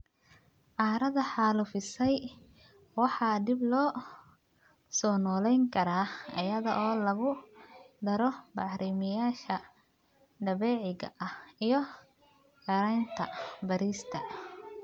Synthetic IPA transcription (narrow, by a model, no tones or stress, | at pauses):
ʕɑːɾɐðɐħɑːlʊfɪsɛj | wɑħɑːd̪ɪblɔː | sɔːnɔːlɛjŋkʰɐɾaːɐ̰jɐðɔ̰ʔɔːlɐɣʊd̪ɐɾɔbɑʕɾimɪjaːʃɐ | ɖ̪ɐβɛːʕɪɣɐ̰ʔɐhijɞ | ɡɐɾɐjnt̪ʰɐ̰bɐɾiːst̪ʰɐ